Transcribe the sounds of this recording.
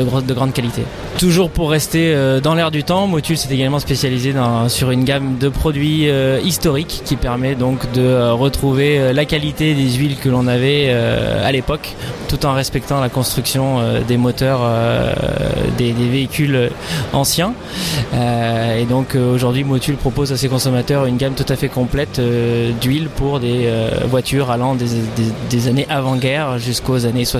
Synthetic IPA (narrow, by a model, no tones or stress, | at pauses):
d̪əɡʁɑ̃d̪kalit̪ḛ | t̪uʒuʁpuʁːɛst̪eød̪ɑ̃lɛʁd̪yt̪ɑ̃mot̪ylsɛt̪eɡalmɑ̃spesjalized̪ɑ̃syʁynɡamd̪əpχɔd̪ɥiøist̪ɔʁikːʲipɛʁmɛd̪ɔ̃kd̪əøʁət̪χuveølakalit̪ed̪ezɥilkəlɔ̃navɛø̰a̰lepɔk | t̪ut̪ɑ̃ʁɛspɛkt̪ɑ̃lakɔ̃st̪χyksjɔ̃ød̪emɔt̪œʁø̰ | d̪ed̪eveikʲyløɑ̃sjɛ̃ | øed̪ɔ̃køoʒuʁd̪ɥimot̪ylpχɔpozasekɔ̃sɔmat̪œʁynɡʲamt̪ut̪afɛkɔ̃plɛt̪ød̪ɥilpuʁd̪eøvwat̪ʰyʁalɑ̃d̪ed̪ed̪ezaneʔavɑ̃ɡʲɛʁʒyskozaneswa